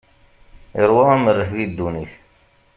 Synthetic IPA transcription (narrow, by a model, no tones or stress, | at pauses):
iɾˤwɑæməɾːəθðid̪ːuniθ